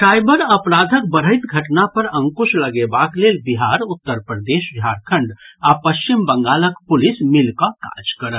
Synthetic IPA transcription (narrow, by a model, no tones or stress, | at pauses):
ʈaːɪbəɾɐpɾaːd̪ʱək̚bəɾ̤əɪt̪ɡʱɐʈnapɐɾə̃ŋkʊʃlɐɡebaːkleːlbiɦaːɾʊt̪ːəɾpɾəd̪eːʃbʱaːɾkʰə̃ɳɖapɐʃt͡ʃɪmbə̃ŋɡaːləkpʊlɪsmɪlkaka̰ːd͡ʒkəɾət̪